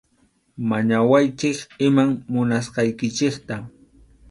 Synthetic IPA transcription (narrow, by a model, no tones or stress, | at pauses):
maɲawajt͡ʃɪkɪmaŋmʊnasqɑjkɪt͡ʃɪkt̪a